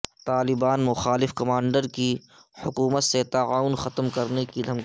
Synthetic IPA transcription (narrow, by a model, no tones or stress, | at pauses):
t̪aːlɪbaːnmʊxaːlɪfkɐmãːɳɖəɾki | hʊkuːmət̪set̪ɐaːʊnxɐt̪mkɐɾnekid̪ʱɐmk